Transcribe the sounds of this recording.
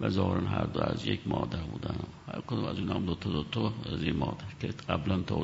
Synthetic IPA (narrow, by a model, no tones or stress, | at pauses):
væzɒːheɾænɦæɾd̪oæzjekmɒːd̪æɾbuːd̪æno | hæ̰ɾkʰod̪umæ̰zunæmd̪ot̪ʰod̪ot̪ʰoæzinmɒːd̪æɾkʰeɢæblænt̪ʰo